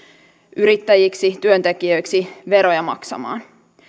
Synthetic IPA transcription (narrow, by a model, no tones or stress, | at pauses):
ʔyɾit̪ːæjiksit̪yønt̪ekiøjksiʋe̞ɾojɑmɑ̰ksɑ̰mɑ̰ːn